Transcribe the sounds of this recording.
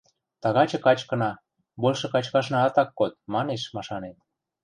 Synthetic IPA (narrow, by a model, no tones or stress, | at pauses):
t̪ɑɣɑt͡ɕɤ̆kɑt͡ɕkɤ̆nɑ | bolʲʃɤ̆kɑt͡ɕkɑʃnɑɑt̪ɑkːot̪̚mɑneʃmɑʃɑnet̪